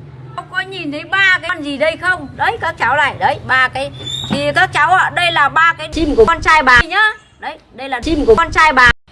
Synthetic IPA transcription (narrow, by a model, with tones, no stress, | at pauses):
xə˧wŋ͡mkɔ˨˦ɲi˨˩nt̪ʰə˨˦jɓaː˧kaː˨˧nzi˨˩ɗə˧jxə˧wŋ͡mɗə˨˦jkaː˦˥k̚t͡ɕa˨˦wla̰ː˧˨jɗə˨˦jɓaː˧kaː˨˦jt̪ʰi˨˩kaː˦˥k̚t͡ɕa˨˦wʔaː˧˩ɗə˧jlaː˨˩ɓaː˧kaː˨˦jsi˧mku˧˩˧nt͡ɕaː˧jɓaː˨˩jɲə˨˦ | ɗə˨˦j | ɗə˧jlaː˨˩si˧mku˧˩˧nt͡ɕaː˧jɓaː˨˩